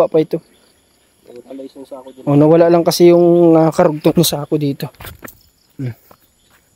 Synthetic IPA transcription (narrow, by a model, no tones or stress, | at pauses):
aʔpɐɪt̪o | ʔonɐwɐlaʔlɐŋkɐsɛjʊŋːakɐɾʊɡ̚t̪onʊsaːkod̪iːt̪o̞